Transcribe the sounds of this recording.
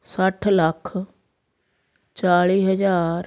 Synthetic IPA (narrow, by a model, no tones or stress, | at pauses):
səʈʰləkʰ | t͡ʃaːɭiːɦəd͡ʒaːɾ